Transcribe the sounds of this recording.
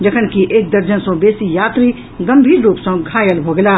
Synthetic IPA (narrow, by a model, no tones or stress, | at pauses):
d͡ʒəkʰənkiʔeːk̚d̪əɾd͡ʒənsə̃besijat̪ɾi | ɡəmbʱiːɾːupsə̃ɡʱajəlbʱoɡela